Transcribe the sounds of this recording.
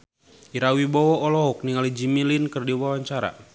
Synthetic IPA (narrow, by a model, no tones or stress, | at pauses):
iɾawibɔwɔːlɔɦɔk̚niŋalid͡ʒimilinkərdiwawaɲt͡ʃaɾa̰